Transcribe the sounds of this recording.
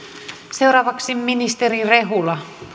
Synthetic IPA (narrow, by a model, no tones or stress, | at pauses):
seuɾɑːʋɑksimːinist̪erireɦulɑ